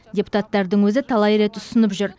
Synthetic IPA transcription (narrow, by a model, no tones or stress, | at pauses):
d̪ʲepu̥t̪ɑt̪ːɑɾd̪əɴwɵzɪt̪ʰɑlˠɑjɾe̞t̪ʊsənəpʒʏɾ